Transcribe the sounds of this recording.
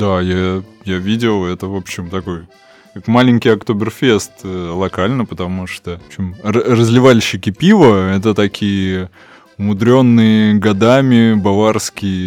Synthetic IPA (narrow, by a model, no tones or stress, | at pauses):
d̪ajajavʲidʲɪlˠɛt̪əvo̞pɕːɪmt̪ɐko̞j | kakmalʲɪnʲkʲɪjɐkt̪obʲɪrfʲest̪ːlˠɐkalʲnəpət̪ɐmuʂt̪oɕɪmərəzʲlʲɪvalʲɕːɪkʲɪpʲivəɛt̪ət̪ɐkʲʰijə | ʊmʊd̪ɾʲo̞nːɨjəɡɐd̪amʲɪbɐvarskʲɪjə